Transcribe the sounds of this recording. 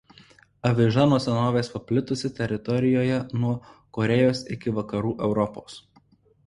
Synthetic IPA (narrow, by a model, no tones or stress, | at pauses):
ɐʋʲɪʒɑnuɔsʲɛnoːʋʲeːspɐpʲlʲɪt̪ʊsʲɪt̪ʲɛɾʲɪt̪ɔɾʲɪjoːjɛnuɔkɔɾʲɛjoːsɪkʲɪʋɐkɐɾuːʔɛʊɾɔpoːs